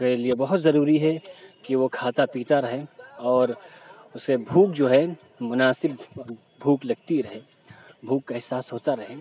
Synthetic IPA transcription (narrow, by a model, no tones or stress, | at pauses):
keliebɐɦʊt̪zɐɾuːɾiɦɛkiʋokʰaːt̪apiːt̪aɾɐɦẽɔːɾʊskebʱuːk̚d͡ʒoːɦɛ | mʊnaːsɪb | bʱuːklɐɡ̚t̪iɾɐɦẽ | bʱuːkːaɦɪsaːsɦoːt̪aɾɐɦẽː